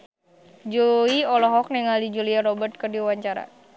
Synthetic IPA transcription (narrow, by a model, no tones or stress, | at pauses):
d͡ʒuiɔlɔɦɔk̚nɛŋaldid͡ʒuliarɔbərt̪̚kərdiwaɲt͡ʃaɾa̰